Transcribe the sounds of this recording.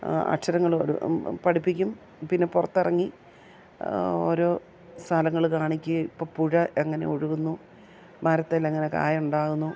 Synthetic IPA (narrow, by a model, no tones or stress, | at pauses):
ɐ̰ʈʂɐɾɐŋːɐɭoɾṵpɐɽipːikʲːum | pinːe̞purɐt̪ːirɐŋːi | o̞̰ːɾo̞ː | st̪ʰɐlɐŋːɐɭkaːɳikʲːɨipːoːpuɻɐʔeŋːɐne̞̰oɻuɣunːu | mɐɾɐt̪ːeleŋːɐne̞ka̰ːjuɳɖaːɣunːu